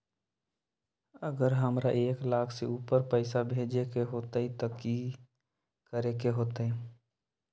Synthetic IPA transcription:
əɡəɾɦəmɾaʔeːklaːkʰseuːpəɾpɛɪsabʱeːd͡ʒekeɦoːt̪ait̪aki | kəɾekeɦoːt̪aɦɛ̃

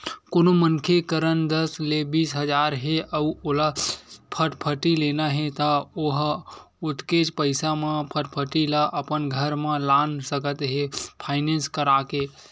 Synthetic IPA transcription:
koːnomənkʰekəɾənd̪əslebiːsɦəd͡ʒaːɾɦeəuoːlapʰəʈpʰəʈileːnaɦet̪aoɦ | ʊt̪ket͡ʃpəɪsamãpʰəʈpʰəʈilaʔəpənɡʱəɾmãlaːnsəkət̪ɦepʰaːɪnẽːnskəɾaːke

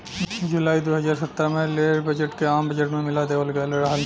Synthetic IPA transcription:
d͡ʒʊlaːid̪oːɦɐd͡ʒaːɾsɐt̪ːɾamẽleːɾbɐd͡ʒəʈkeaːmbɐd͡ʒəʈmẽmɪlad̪eːʋəlɡɛleɾɦal

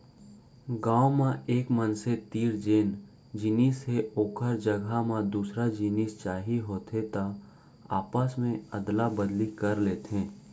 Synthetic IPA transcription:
ɡãːomãʔeːkmənset̪iːɾd͡ʒeːn | d͡ʒiniːsɦeoːkʰəɾd͡ʒəɡʱamãd̪uːsɾad͡ʒiniːst͡ʃaːɦiɦoːt̪ɦet̪a | a̰ːpasmẽɐd̪labəd̪likɐɾleːt̪ẽː

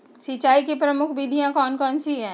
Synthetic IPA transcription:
sit͡ʃaːikipɾɐmʊkʰbid̪ʱijãkɔːnkɔːnsiɦɛ̃ː

